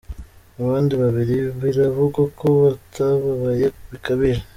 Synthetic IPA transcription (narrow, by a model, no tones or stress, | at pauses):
aβaːndiβaβiɾiβiɾaβuɡako̞βataβaβajeuβikaβiɾe